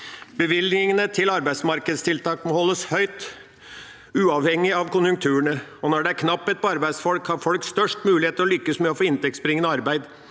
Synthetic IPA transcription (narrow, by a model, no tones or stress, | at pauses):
bəʋɪlɪŋənət̪ʰɪlɑɾbæɪd̪smɑɾkəd̪st̪ʰɪlt̪ʰɑːkmɔhɔlːəshœʏt̪ | ʉːɑʋhɛŋːɪɑʋkʊnjʉŋk̚t̪ʰʉːəɳəɔnɔɖɛæɾkʰnɑpːət̪̚pɔɑɾbæɪsfɔlkhɑɾfɔlksst̪œʂʈmʉːlɪheːt̪əɾɔlʏkːəsmɛɔfoːɪnt̪ɛk̚tsbɾɪŋːənəɑɾbæɪd̪